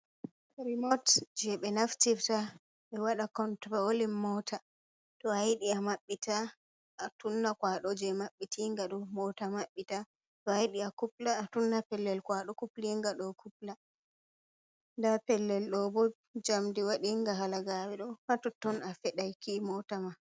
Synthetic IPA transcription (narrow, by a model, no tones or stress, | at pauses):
ɾimɔtd͡ʒɛɓɛnaftifta | ɓɛwaɗakɔntɾaolimːɔtʰa | tɔhajɗiamaɓːitʰa | ʔːtunːakwaɗɔd͡ʒɛmaɓːitiŋɡaɗɔmɔtamaɓːita | tɔajɗiakuplaːtunːapɛlːɛlkwaɗɔkupliŋɡaɗɔkʰupla | ndapɛlːɛlɗɔbɔ | d͡ʒamdiwaɗiŋɡaɦalaɡawɛɗɔhatɔtːɔnafɛɗajkimɔtama